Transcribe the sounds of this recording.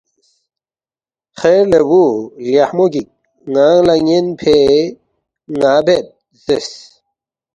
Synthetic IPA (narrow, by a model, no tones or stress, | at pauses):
χeɾlewuljahmoɡik̚ | ŋaːŋlaŋenpʰe | ŋaːbet̪̚ | z̥es